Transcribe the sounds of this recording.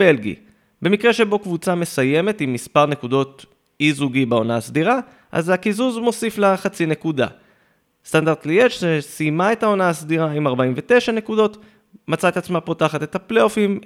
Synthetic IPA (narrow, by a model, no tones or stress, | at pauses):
b̥e̞lɡḭ | be̞mikʁe̞ʃe̞bo̞kvut͡same̞saje̞me̞t̪imːispaʁne̞kudo̞t | izuɡibeo̞naasd̪iʁa | ʔa̰zakizuzmo̞sifleχat͡sine̞kuda̰ | st̪andaʁdt̪̚liet͡ʃzesimae̞tao̞naasd̪iʁaimaʁbaimve̞te̞ʃane̞kudo̞t̪ | mat͡saet̪at͡smapo̞taχate̞t̪apleo̞fim